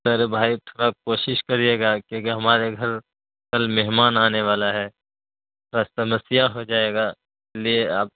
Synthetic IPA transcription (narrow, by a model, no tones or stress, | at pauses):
sɐɾebʱaːit̪ʰoːɾakoːʃɪʃkɐɾieːɡakjõːkiɦɐmaːɾeɡʱɐɾ | kɐlmɛɦmaːnaːneʋaːlaɦɛː | ɾast̪ɐməsijaɦod͡ʒaːeːɡa | ɪlieaːp̚